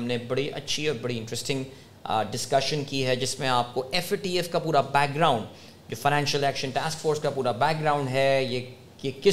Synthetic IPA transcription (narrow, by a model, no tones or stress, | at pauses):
mnebɐɽiʔɐ̰tːʃʰiɔːɾbɐɽiɪ̃nʈɾɛsʈɪ̃ŋɡ | ɖɪskɐʃənkiɦɛd͡ʒɪsmẽaːp̚koʔɛfʈiːɛfkapuːɾabɛːk̚ɡɾaːʊ̃ɳɖ | d͡ʒoːfaɪñɛ̃ːnʃəlɛːkʃə̃nʈaːskfoːɾskapuːɾabɛːk̚ɡɾãːʊ̃ɳɖɦɛje | kekɪ